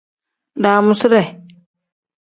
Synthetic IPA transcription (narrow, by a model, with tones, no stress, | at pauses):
daː˨mʊ˦sɪ˦ɾɛ˨